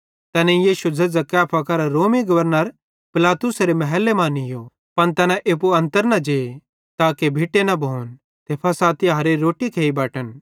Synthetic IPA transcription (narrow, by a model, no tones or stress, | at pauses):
t̪ɛːnẽjiːʃud͡zɐd͡zɐkɛːpʰakɐɾaɾoːmiɡɐʋəɾnəɾ | pɪlaːt̪ʊsɾemɐɦɛlːemãːnɪjo | pɐnt̪ɛːnãʔeːp̬uɐ̃nt̪əɾnɐd͡ʒeː | t̪aːkebʱɪʈenɐbʱoːn | t̪eːpʰɐsaːt̪iɦɐɾeɾoːʈikʰeːibɛːʈən